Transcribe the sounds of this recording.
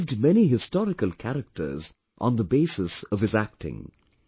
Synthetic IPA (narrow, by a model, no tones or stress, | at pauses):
vdmɛniɦɨstɔɾɨkəlˠkʰæɾɨk̚tʰə̰˞z | ʔn̩ðəbeɪsɨsʌv̥ɨzæk̚tɪ̰̃ŋ